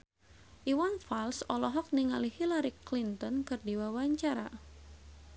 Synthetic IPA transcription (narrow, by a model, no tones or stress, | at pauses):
ʔiwanfalsɔlɔɦɔk̚niŋalihilaɾiklint̪ɔnkɨrdiwawaɲt͡ʃaɾa̰